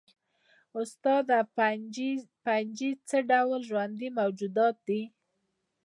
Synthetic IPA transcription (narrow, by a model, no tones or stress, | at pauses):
ʊst̪ɑd̪a | pand͡ʒit͡səɖawlʒwand̪imawd͡ʒud̪ɑt̪̚d̪i